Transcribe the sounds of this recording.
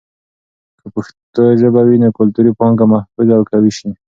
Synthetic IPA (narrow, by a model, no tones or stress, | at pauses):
kəpʊʃt̪oʒəbawinokʊlt̪uɾipɔŋkamahfuzawkawiʃi